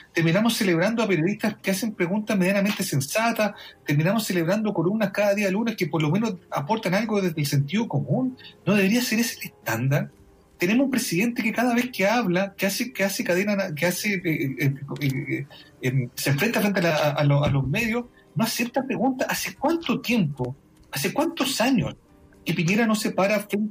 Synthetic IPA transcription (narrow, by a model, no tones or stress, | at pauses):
t̪eɾminamosːeleβɾand̪oapeɾjoiht̪askease̞mpɾe̞ɣunt̪ame̞ðjaname̞nt̪ese̞nsat̪at̪e̞ɾminamosːe̞leβɾand̪oko̞lumnaskaðaðialunekepo̞ɾlo̞me̞noza̰po̞ɾt̪analɣoððezðelse̞nt̪iðoko̞munːoðe̞βeɾiase̞ɾeselest̪and̪aɾ | t̪enemoumpɾe̞siðe̞nt̪ekekaðaβe̞hkeaβlakeasekeasekaðenanakease | emseɱfɾe̞nt̪afɾe̞nt̪ealaaʔaloalome̞ðjos | noasep̚t̪apɾeɣunt̪aʔasek̚want̪ot̪je̞mpo | asekwant̪osaɲo̰s | kepiɲe̞ɾano̞sepaɾafɾen